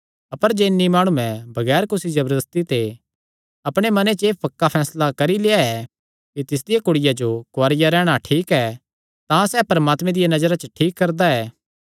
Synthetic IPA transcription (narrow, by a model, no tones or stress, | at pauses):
ɐpəɾd͡ʒeːnːimaːɽ̃ũɛ̃bʱɐɡɛːɾkʊsid͡ʒɐbəɾd̪əst̪it̪e | ɐpɽ̃emɐnet͡ʃeːpɐkːapʰɛːslakɐɾileːaɛ | kit̪ɪs̬d̪ɪjakʊɽɪjad͡ʒokʊaːɾɪjaɾɛːɽ̃aʈʰiːkɛ | t̪ãsɛːpɐɾɐmaːt̪mɛ̃d̪ɪjanɐd͡ʒəɾat͡ʃəʈʰiːkːɐɾd̪aɛː